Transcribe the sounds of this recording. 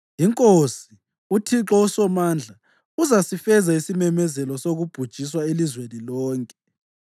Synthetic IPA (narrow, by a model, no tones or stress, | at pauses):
jiŋkʼosi | utʰiǁɔusɔmand͡ɮʱa | uzasifɛzaisimɛmɛzɛlɔsoɣub̥ʱud̥ʒ̥ʱis̬waelizwenilɔːŋkʼɛ